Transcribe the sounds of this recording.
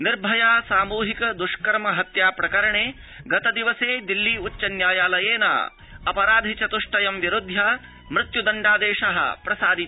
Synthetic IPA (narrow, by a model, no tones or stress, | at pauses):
niɾbʱɐjaːsaːmuːɦikɐd̪uʂkɐɾmɐɦɐt̪jaːpɾɐkɐɾɐɳeː | ɡɐt̪ɐd̪iʋɐseːd̪ilːiut͡ʃːɐnjaːjaːlɐjeːna̰ː | ɐpɐɾaːd̪ʱit͡ʃɐt̪uʂʈɐjɐmʋjiɾud̪ʱjaː | mɾɪt̪jud̪ɐɳɖaːd̪eːʂɐɦɐ̰pɾɐsaːd̪i